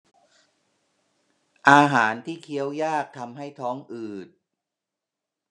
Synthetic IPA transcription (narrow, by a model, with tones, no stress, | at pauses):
ʔaː˧ɦaː˩˦nt̪ʰiː˥˩kʰi˦˥əwjaː˥˩k̚t̪ʰa˧mɦa˥˩jt̪ʰɔː˦˥ŋʔɯː˨˩t̪̚